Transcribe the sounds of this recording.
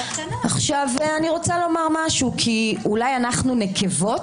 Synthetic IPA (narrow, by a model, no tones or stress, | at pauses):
aχʃavaniʁo̞t͡salo̞maʁmaʃukʰiulajanaχnunekʰevo̞t